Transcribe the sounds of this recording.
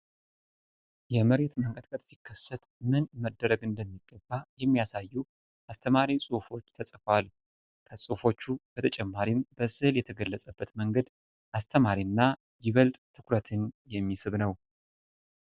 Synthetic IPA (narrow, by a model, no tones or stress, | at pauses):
jɛməɾe̞t̪məŋkʼət̪ʼkʼət̪sikʰːəsːət̪mɨnməd̪ːəɾəɡɨnd̪əmːiɡːəbːajɛmːijasajːu | ʔast̪ʰəmaɾisʼufo̞t͡ʃːt̪ʰəsʼfal | kʰəsʼufo̞t͡ʃːub̥ət̪ʰət͡ʃʼɛmːaɾimbəsɨljɛt̪ʰəɡəlːəsʼəbːət̪məŋɡəd̪ | ʔast̪ʰəmaɾinːa | jɪβəlt̪ʼt̪ʰɨkʰɾət̪ʰɨnjɛmːisɨβnəw